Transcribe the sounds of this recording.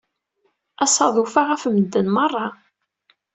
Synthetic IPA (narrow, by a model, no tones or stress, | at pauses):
æsˤɑðˤufaʁæfməd̪ːənmɑrˤːɑ